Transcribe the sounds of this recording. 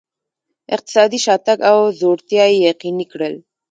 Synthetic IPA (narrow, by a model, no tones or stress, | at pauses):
ɪq̚t̪ɪ̥sɑːd̪iʃɑt̪aɡawzoɾt̪jɑijaqinikɽəl